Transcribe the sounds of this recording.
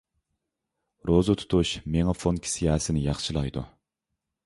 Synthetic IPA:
ɾozɨt̪ʰu̥t̪ʰuʃmeŋɑfonkʲʰi̥sijɑsɪnɪjɑχʃɨlˠɑjd̪u

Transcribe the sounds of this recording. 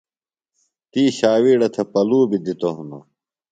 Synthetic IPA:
t̪iːɕaːwiːɽɐt̪ʰɐpɐluːbid̪it̪oɦuno̰

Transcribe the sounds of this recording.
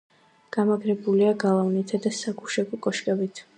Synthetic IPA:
ɡ̥amaɡɾɛbuliaɡalˠavnit̪ʰad̪asaɡuʃɛɡɔkʼɔʃkʼɛbit̪ʰ

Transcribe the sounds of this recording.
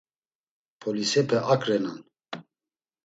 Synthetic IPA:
pʰɔlisɛpʰɛʔakʼɾɛnan

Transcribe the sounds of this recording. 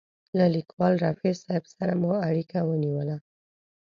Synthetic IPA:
lalikwɑlɾɑfesɑɪbsaɾamuaɽikawəniwəla

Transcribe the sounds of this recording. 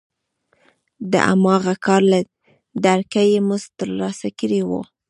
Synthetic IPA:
d̪ə̰ʔa̰mɑɣakɑɾla | d̪aɾkajemʊzt̪əɾlɑsakəɾiwo̰

